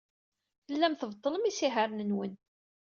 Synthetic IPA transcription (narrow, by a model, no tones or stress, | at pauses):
θəlːæmθəvt̪ˤːələmisiɦəɾnənwən